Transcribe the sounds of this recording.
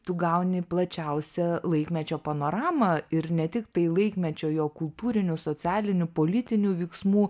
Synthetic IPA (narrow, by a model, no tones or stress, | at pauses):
t̪ʊɡɐʊnʲɪplˠɐt͡ʃʲɛʊsʲɛlˠɐɪkmʲɛt͡ʃʲoːpɐnoːɾɑːmɐɪɾnʲɛt̪ʲɪkt̪ɐɪlˠɐɪkmʲɛt͡ʃʲoːjoːkʊlˠt̪uːɾʲɪnʲʊsoːt͡s̪ʲæːlʲɪnʲʊpoːlʲɪt̪ʲɪnʲuːʋʲɛɪksmuː